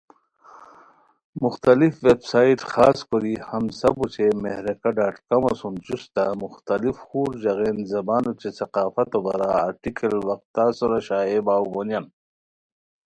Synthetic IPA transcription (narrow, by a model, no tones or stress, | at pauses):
mʊxt̪alifʋebsaːiʈxaːskoɾihɐmsɐbut͡ɕemehɾɐkaɖaːʈkamɐsund͡ʑust̪amʊxt̪alifxuːɾd͡ʑɐɣenzɐbaːnut͡ʃesɐqaːfɐt̪obɐɾaa̰ɾʈikʰɐlwɐqt̪ːaːsuɾaɕaːebaːwɡonjan